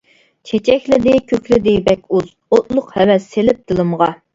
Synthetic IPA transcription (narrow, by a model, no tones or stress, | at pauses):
t͡ʃʰet͡ʃʰɛkʲlɪd̪ɪkʲʰøkʲlɪd̪ɪbɛkʲuz | ot̪̚lˠʊqhɛwɛsːelɪp̚d̪̥ɨlˠɨmʁɑ